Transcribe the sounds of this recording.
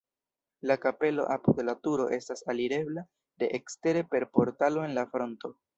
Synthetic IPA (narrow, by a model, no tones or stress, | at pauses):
lakape̞lo̞̰ʔapudlatuɾo̞̰ʔe̞stasaliɾe̞bla | de̞ʔekste̞ɾepe̞ɾpo̞ɾtalo̞e̞nlafɾo̞nto̞